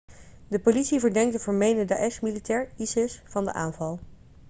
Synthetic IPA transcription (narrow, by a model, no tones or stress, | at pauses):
dəpolitsivəɹdɛŋk̚dəvɔːɹmejnəda̰ʔɛsmilitɛːɹisɪsfɑndə̰ʔaːnvɑlˠ